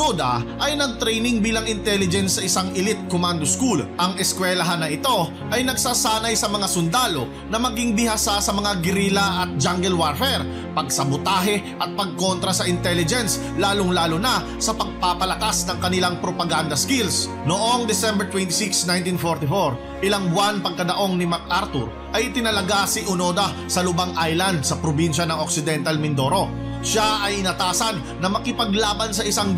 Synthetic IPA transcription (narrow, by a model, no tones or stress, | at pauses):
od̪ɐʔɐjnɐɡ̚t̪ɾɛjnɪŋbiːlɐŋɪnt̪ɛlɪd͡ʒɛnsːɐʔɪsaŋɪlɪt̪̚komand̪oskulʔɐŋɛskwɛlɐɦanːɐɪt̪o̞ | ʔɐjnɐɡ̚saːsaːnɐjsɐmɐŋasʊnd̪aːlo̞ | nɐmɐɡiŋbɪhasasɐmɐŋaɡɪɾilɐʔɐt̪̚d͡ʒaŋɡɛlwaɾfɛɾ | pɐɡsɐbʊt̪aːɦɛʔɐt̪̚pɐɡ̚ko̞nt̪ɾɐsɐʔɪnt̪ɛlɪd͡ʒɛns | laːloŋlaːlonɐ | sɐpɐɡ̚papɐlɐkasnɐŋkɐnɪlaŋpɾopɐɡand̪ɐskils | noʔoŋd̪ɛsɛmbɛɹt̪wɛnt̪ɪsiksnajnt̪infoɾt̪ɪfoɹ | ʔɪlaŋbwanpɐɡ̚kɐd̪ɐʔo̞ŋnɪmɐk̚ʔaɾt̪ʊ̰ɾ | ʔɐjʔɪt̪ɪnɐlɐɡasiʔʊno̞ːd̪ɐ | sɐlʊbaŋʔajlɐnd̪̚sɐpɾobinʃɐnɐŋok̚sɪd̪ɛnt̪ɐlmɪnd̪o̞ɾo̞ | ʃaʔɐjɪnɐt̪aːsɐnːɐmɐkɪpɐɡlaːbɐnsɐʔɪsaŋ